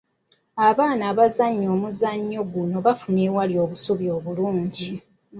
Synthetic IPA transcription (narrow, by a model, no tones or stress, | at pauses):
aβaːnaːβazaɲːo̞ːmuzaɲːo̞ɡuno̞βafuneːwaljo̞ːβusuβjo̞ːβuluːɲɟi